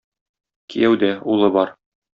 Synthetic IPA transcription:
kijæwd̪æulˠɤbɒɾ

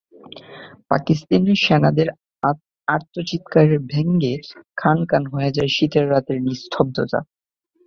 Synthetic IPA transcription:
pa̰kist̪aneʃɛnad̪eɾ | aɾt̪ʰot͡ɕit̪kaɾeɾbʱeŋɡekʰankanɦoed͡ʑaɾʃit̪eɾːat̪eɾnist̪ʰɔb̚d̪ot̪a̰

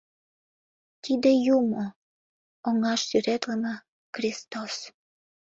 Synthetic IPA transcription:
t̪id̪ejumo | oŋɑʃsyɾet̪lənə | xrʲist̪os

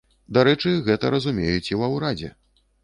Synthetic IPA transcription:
d̪aɾɛt͡ʂɨɣɛt̪ɐɾɐzumʲejut͡sʲiwɐwɾad͡zʲɛ̰

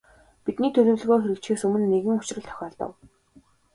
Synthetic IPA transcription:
pit̪niːt̪ʰɵɮɵ̆wɮ̆ɣoːxeɾʲɘ̆kt͡ɕxeːsɵmɘ̆nːeɣɘ̆ŋʊt͡ɕrə̆ɮt̪ʰœ̥xʲɔːɮt̪ə̰̆w

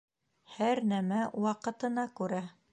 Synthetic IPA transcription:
hæɾnæmæwɑqɤ̆t̪ɤ̆nɑkʉɾæ

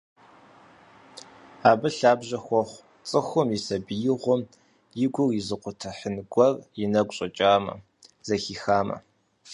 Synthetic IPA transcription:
aːbɨɬaːbʒɐxʷɔχʷ | t͡sʼɨxʷʊmisɐbijɪʁʷɔm | jɪɡʷʊwjizɨqʷʊtʰɐħənɡʷɔrjɪnɐɡʷʼɕʼɐt͡ʃʼaːmɐ̰ | zɐxiːxaːmɐ̰

